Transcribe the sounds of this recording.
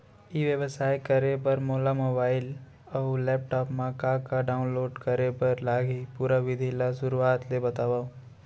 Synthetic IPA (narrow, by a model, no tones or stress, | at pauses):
iʋeʋəsaːjkəɾepɐɾmoːlamobaːɪl | ɔlɛːp̚ʈɔːpmãkakaɖaːʊ̃nloːɖkɐɾepɐɾlaːɡipuːɾaʋɪd̪ʱilaʃʊɾuaːt̪lebɐt̪aːʋa